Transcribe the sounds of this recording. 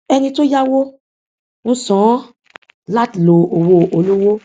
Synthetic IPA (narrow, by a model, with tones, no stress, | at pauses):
ɛ˧nĩ˧to˦ja˦wo˦ | ñ̩˦sɔ̃˨˦ | la˦tlo˨o˨wo˧o˨lo˦wo˦